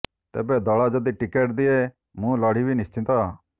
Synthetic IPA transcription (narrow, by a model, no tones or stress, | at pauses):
t̪ḛːbɛd̪ɔɭad͡ʒəd̪iʈɪkeːʈd̪ɪe | mũːlɔːɽ̤ibʱinɪst͡ʃɪ̃t̪a